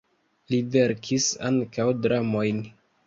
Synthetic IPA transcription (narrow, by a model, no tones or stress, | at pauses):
live̞ɾkʰisa̰ŋkawdɾamo̞jn